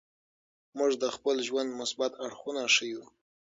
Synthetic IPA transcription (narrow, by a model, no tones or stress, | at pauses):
muʐd̪əxpəlʒwand̪mʊsbat̪aɽxunaʂəju